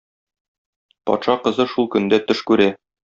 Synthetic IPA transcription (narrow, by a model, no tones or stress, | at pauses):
pɒ̰t̪ʃɑqɤ̆zɤʃulˠkɵ̆nd̪æt̪ɵʃkʉɾæ